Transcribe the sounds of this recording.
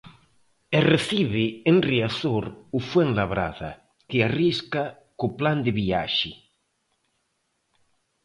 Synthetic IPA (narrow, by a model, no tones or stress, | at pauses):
ereθiβeenriaθoɾufweŋlaβɾa̰ða̰ | keariska | kopland̪eβia̰ʃɪ